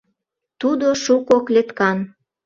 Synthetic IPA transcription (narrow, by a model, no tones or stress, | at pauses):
t̪ud̪oʃukoklet̪kɑn